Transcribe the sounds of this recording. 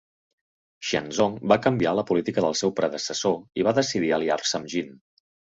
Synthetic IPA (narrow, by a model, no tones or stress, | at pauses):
ʃə̰nzɔŋbakəmbialəpulit̪ikəðəlˠsɛwpɾəðəsəsoiβaðəsiðiəliarsəmʒin